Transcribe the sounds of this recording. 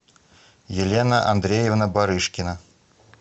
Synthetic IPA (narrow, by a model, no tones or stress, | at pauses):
jɪlʲenaʔa̰nd̪ɾʲejevnabaɾɨʂkʲɪna